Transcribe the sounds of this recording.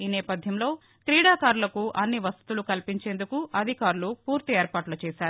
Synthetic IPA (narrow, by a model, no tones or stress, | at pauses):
iːnɛːpɐd̪ʱjɐmlo̞ː | kɾiːɽaːkaːɾulɐkuʔɐnːiʋɐst̪u̥t̪ulukɐlpiɲt͡ʃe̞ːnd̪ukuɐd̪ʱikaːɾulupuːɾt̪ieːɾpaːʈlɐt͡ʃɛːsaːɾu